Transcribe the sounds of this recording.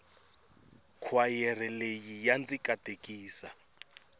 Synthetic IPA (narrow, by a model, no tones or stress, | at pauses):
kʰwajɛr̤ɛlejijant͡sʼikʼad̥ʱekʼiːsa